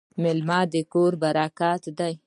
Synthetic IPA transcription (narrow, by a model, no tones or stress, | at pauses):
mɪlmɑd̪əkoɾbaɾɑkɑt̪d̪aj